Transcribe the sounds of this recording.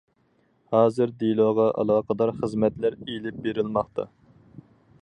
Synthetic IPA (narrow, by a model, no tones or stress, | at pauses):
hɑːzɨɾd̪ilˠoʁɑʔɑ̰lˠɑːqəd̪ɑɾχəzmɛt̪læɾelɪp̚beɾɪlˠmɑχt̪ʰɑ̰